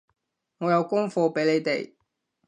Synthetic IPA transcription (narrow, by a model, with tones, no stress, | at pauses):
ŋɔː˨˧jɐ˨˧wkʊ˥ŋfɔː˧pe˨˥jle˨˧jt̪e˨j